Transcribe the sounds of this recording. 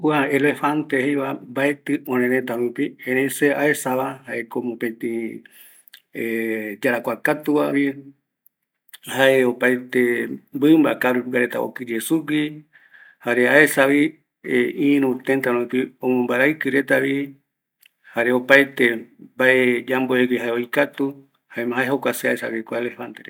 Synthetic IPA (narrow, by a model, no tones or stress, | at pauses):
waelefant̪ehejβambaet̪ɨõɾ̃ẽɾẽt̪aɾũpiẽɾẽseaesaβahaʔekomõpẽt̪ĩ | ed͡ʒaɾakʷakat̪uβaβi | haʔeopajt̪embɨmbakaɾuɡaɾet̪a̰o̰kɨɾesuɡi | haɾeaesaβi | eĩɾũt̪ent̪aɾõĩkiõmõmbaɾajkɨɾet̪aβi | haɾeopajt̪ebaed͡ʒamboeɡiɦaeojkat̪u | haemɦaeɦokʷaseaesa̰βikʷaeleβant̪eɾe